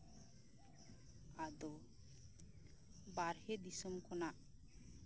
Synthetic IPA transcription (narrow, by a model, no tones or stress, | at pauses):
ad̪ɔ | baɾhɛd̪isɔmkɔnaʔ